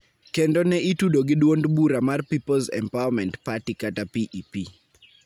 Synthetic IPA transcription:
kɛndonɛitudoɡɪdwondbuɾamarpipolzɛ̰mpawamɛntpatikatapiʔipi

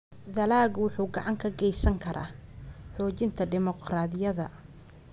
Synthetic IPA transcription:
ðɐlaːɡwʊħuːɡɑʕɑŋkʰɐɡɛjsɐŋkʰɐɾʔa̰ːħɔːt͡ʃɪnt̪ʰɐd̪ɪmɔqraːðɪjɐðɐ̰

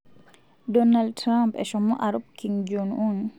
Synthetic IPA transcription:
dɔnaldtɾampɛ̰ʃɔmɔ̰ʔaɾubkiŋd͡ʒunun

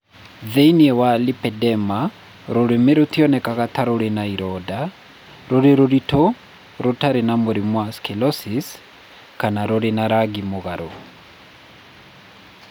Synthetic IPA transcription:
ðeiniɛwalipɛdɛma | ɾoɾemeɾot̪iɔnɛkaɣat̪aɾoɾenaiɾɔda | ɾoɾeɾoɾitʰo | ɾotaɾenamoɾimwaskɛlɔsis | kanaɾoɾenaɾaɡimoɣaɾo̰

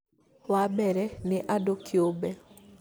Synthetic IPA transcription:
wabɛɾɛnɪʔadokjobɛ

